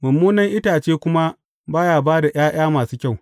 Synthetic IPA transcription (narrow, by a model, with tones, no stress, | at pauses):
mʊ˨mːuː˦nɐ˦ŋʔɪ˦taː˨t͡ʃeː˦kʷʊ˦ma˦ | baː˦jaː˨baː˦da˨ʔj̰aː˦j̰aː˦maː˨suː˦kʲa˦˨w